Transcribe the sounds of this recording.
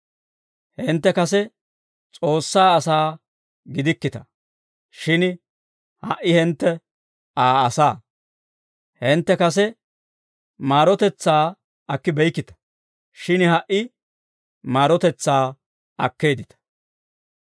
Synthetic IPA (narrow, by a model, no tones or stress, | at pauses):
hɛnt̪ːɛkɐs̬ɛ | t͡sʼo̞ːsːaːɐsaː | ɡɪd̪ɪkːɪt̪ɐ̥ | ʃɪn | hɐʔɪhɛnt̪ːɛ | aːɐsaː | hɛnt̪ːɛkɐs̬ɛ | maːɾɔt̪ɛt͡sːaː | ɐkːɪbɛjkːɪt̪ɐ̥ | ʃɪnhɐʔɪ | maːɾɔt̪ɛt͡sːaː | ɐkːe̞ːd̪ɪt̪ɐ̥